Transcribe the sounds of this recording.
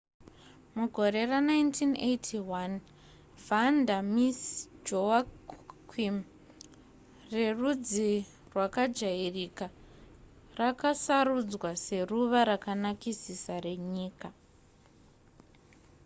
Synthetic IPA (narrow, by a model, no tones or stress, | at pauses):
muɡʱo̞ɾe̞ranajntʰinejtʰiwan | vandamisd͡ʒoakʰwim | re̞rud͡zi | rwakad͡ʒairika | rakasarud͡zwase̞ruʋaɾakanakisisare̞ɲiːka